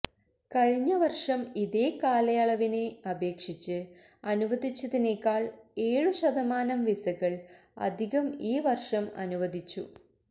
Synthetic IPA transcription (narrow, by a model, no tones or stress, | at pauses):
kɐɻiɲːɐʋɐrʂɐmiðeːkaːlɐjaɭɐʋine̞ɐbʱe̞ːkʂit͡ɕːɨ | ɐnuʋɐd̪ʱit͡ɕːɐðineːkːaːɭe̞ːɻuɕɐd̪ɐmaːnɐmʋisɐɣɐɭ | ɐ̰d̪ʱiɣɐmiːʋɐrʂɐmɐ̰nuʋɐd̪ʱit͡ɕːṵ